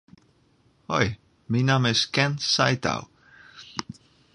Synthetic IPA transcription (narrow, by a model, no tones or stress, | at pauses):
hoj | minaːməɛskɛnsajt̪a̰w